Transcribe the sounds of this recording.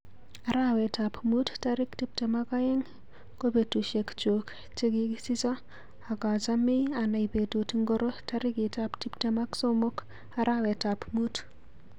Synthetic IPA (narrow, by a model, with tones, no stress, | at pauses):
a˨ɾa˦wɛ˨tapmu˦tta˦ɾɪ˦kti˦p̚te˨ma˦ka˦je˦ŋ | ko˦be˨tu˨ʃe˨kt͡ʃo˨k | t͡ʃe˦ɡɪ˦ki˦si˦saː˦˨ | ka˨t͡ʃa˦mɪ˦a˨na˨ipe˨to˨ti˦ŋɡo˦ɾo˦ta˦ɾɪ˦ki˨ta˦pti˦pte˦ma˦kso˦mo˦k | aɾʔa˦wɛ˨ta˨pmu˦t